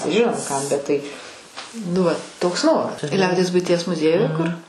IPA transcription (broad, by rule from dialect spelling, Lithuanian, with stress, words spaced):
ˈʒʲɪnoːm ˈkɐm bʲɛt tɐɪ nʊ ˈʋɐt ˈtoːks ˈnoːrɐs ˈlʲɛʊdʲiɛs bʊɪˈtʲiɛs mʊˈzʲiɛjʊjɛ kʊr